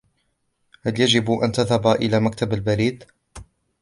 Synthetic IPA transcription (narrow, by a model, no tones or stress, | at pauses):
haljad͡ʒɪbʔa̰nt̪aðhabaʔɪlaːmak̚t̪abalbaɾiːd̪